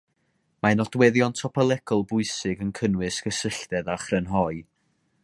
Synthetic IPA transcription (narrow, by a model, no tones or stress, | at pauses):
manɔdwɛðjɔntʰɔpʰəlˠɛkʰɔlˠbʊɨsɨɡənkʰənwɨsɡəsəɬdɛðaχrənɦɔɨ